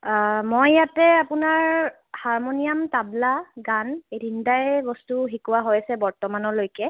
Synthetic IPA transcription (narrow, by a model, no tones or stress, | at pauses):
mojːatɛapʊnaɹ | haɹmonijamtablaɡandindajbɔstuɦikuwaɦojasɛbɔɹtɔmanɔlojkɛ